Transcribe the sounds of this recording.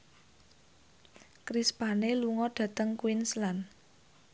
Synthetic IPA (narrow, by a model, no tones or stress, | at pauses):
kɾispaneluŋɔɖ̥ä̤t̪əŋkwinslan